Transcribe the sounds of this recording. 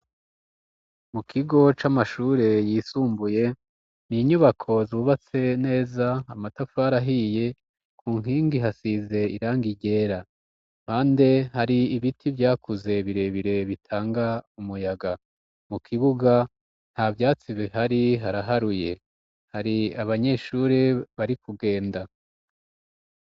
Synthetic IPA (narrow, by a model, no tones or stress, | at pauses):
mukʰiɡo̞t͡ʃamaʃuːɾe̞jiːsuːmbuje̞ | niːɲuβakʰo̞zuβat͡se̞ne̞ːzaːmatafaːɾaɦije̞ | kʰuːŋ̥iːŋɡiɦasize̞iɾaːŋɡiɟe̞ːɾa | haːnde̞haɾiiβitʰivjaːkʰuze̞βiɾe̞βiɾe̞βitʰaːŋɡaumujaɡa | mukʰiβuɡa | n̥havjaːt͡siβiɦaɾiɦaɾaɦaɾuje̞ | haɾiaβaɲe̞ʃuɾeβaɾikuɡe̞ːnda